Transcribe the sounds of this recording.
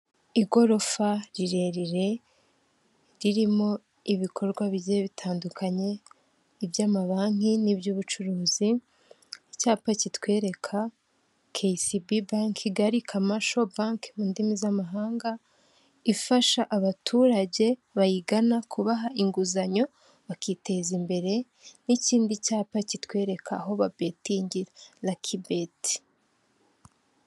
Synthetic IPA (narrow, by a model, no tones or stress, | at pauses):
iɡo̞ɾo̞faɾiɾe̞ɾiɾe̞ | ɾiɾimo̞ | iβikʰo̞ɾɡwaβiɟieβitʰaːndukʰaɲe̞ | ibjaːmaβaːŋ̥inibjuːβut͡ʃuɾuːzi | caːpacitwe̞ːɾe̞kʰa | kʰesibibaŋkʰiɡaɾikʰamaʃo̞baŋkmundimizamaɦaːŋɡa | ifaʃaʔaβatʰuɾaɟe̞βajiɡanakuβaɦaʔiŋɡuzaɲo̞ | βakiːte̞zimbe̞ɾe̞ | niciːndicaːpacitwe̞ːɾe̞kʰaɦo̞βabetiɲɟiɾalakʰibeti̥